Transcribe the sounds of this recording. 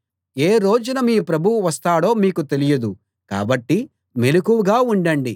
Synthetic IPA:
eːɾoːd͡ʒunɐmiːpɾɐbʱuwuʋɐst̪aːɽo̞ːmiːkut̪e̞lijɐd̪u | ka̰ːbɐʈːi | me̞lukuʋuɡaːuɳɖɐɳɖi

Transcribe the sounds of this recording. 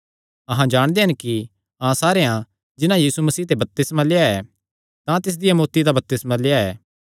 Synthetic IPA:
ɐɦãd͡ʒaːɽ̃d̪eɦɐnki | ãːsaːɾeã | d͡ʒɪnãjiːsumɐsiːt̪ebɐp̚t̪ɪsmaleːaɛ | t̪ãt̪ɪs̬d̪ɪjamoːt̪id̪abɐp̚t̪ɪsmãleːaɛː

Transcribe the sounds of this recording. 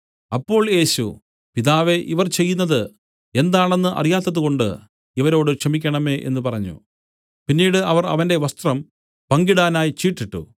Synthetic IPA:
ɐpːo̞ːɭje̞ːɕṵ | piðaːʋe̞ʔiʋɐrt͡ɕe̞jːunːɐðɨ | e̞nd̪aːɳe̞nːɨʔɐ̰rijaːt̪ːɐðuko̞ɳɖɨ | iʋɐɾo̞ːɽɨkʂɐmikʲːɐɳɐme̞ːʔe̞̰nːɨpɐrɐɲːṵ | pinːiːɽɨɐʋɐrɐ̰ʋɐnde̞ʋɐst̪rɐm | pɐŋɡiɽaːnaːjt͡ɕiːʈːiʈːṵ

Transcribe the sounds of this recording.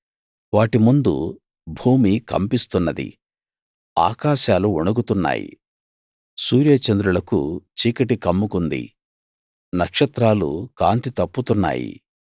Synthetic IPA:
ʋaːʈimund̪ṵ | bʱuːmikɐ̰mpist̪unːɐd̪ḭ | a̰ːkaːʃaːluuɳuɡut̪unːa̰ːjḭ | suːɾjɐt͡ʃɐnd̪ɾulɐkṵt͡ʃiːkɐʈikɐmːukund̪ḭ | nɐkʂɐt̪ɾaːlṵkaːnt̪it̪ɐpːut̪unːa̰ːjḭ

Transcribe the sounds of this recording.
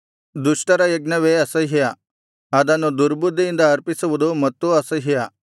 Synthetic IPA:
d̪uʂʈɐɾajɐɡnɐʋeɐsəɦija | ad̪anod̪uɾbud̪ʱːiːnd̪aːɾpisɐʋud̪umɐt̪ːuɐsəɦija

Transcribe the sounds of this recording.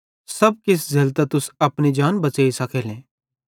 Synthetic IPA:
sɐb̚kɪs̬zɐlt̪at̪ʊsɐpnid͡ʒaːnbɐt͡ʃaːisɐkʰeːlɛ̃ː

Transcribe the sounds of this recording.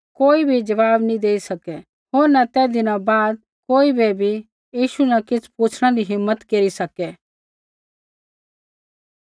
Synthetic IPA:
koːibʱid͡ʒɐʋaːbnĩd̪eːisɐkɛ | ɦoːɾnɐt̪ɛːd̪ɪnãbaːd̪̚ | koːibɛbʱi | jiːʃunɐkɪt͡sʰpuːt͡ʃʰɽ̃ãɾiɦɪmːət̪keːɾisɐkɛ

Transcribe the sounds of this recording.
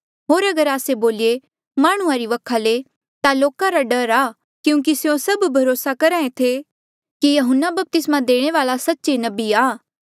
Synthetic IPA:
ɦoːɾɐɡəɾaːseboːlie | maːɽ̃ʊ̃ãɾiʋɐkʰːale | t̪aloːkaɾaɖɐɾaː | kjũːk̬isejõsɐbbʱɐɾoːsakɐɾaːẽt̪ʰe | kijɐɦʊnːabɐp̚t̪ɪsmãd̪eːɽ̃eʋaːlasɐtːʃenɐbiaː

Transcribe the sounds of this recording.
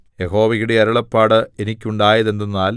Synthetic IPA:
jeɦo̞ːʋɐɣuɽe̞ɐɾɐɭɐpːaːɽɨe̞nikʲːuɳɖaːjɐðe̞nd̪unːaːl

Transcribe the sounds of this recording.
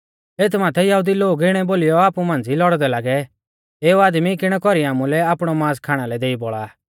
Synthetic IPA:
eːt̪ʰmaːt̪ʰɛjɐɦud̪iloːɡɪɽ̃ɛboːlɪjɔaːpumãːnd͡zilɔɽd̪ɛlaːɡɛ | eːuaːd̪mikɪɽ̃ɛkɔɾiaːmulɛaːpɽ̃ɔmãːskʰaːɽ̃alɛd̪eːiboɭaː

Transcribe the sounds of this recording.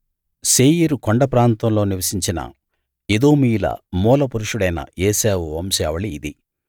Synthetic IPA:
seːjiɾukoɳɖɐpɾaːnt̪ɐmlo̞ːniʋɐsiɲt͡ʃinɐ̰ | ed̪oːmiːjlɐ̰mɔːlɐpuɾuʂuɽɐjnɐ̰eːseːʋuʋɐmsaːʋɐɭiːd̪i

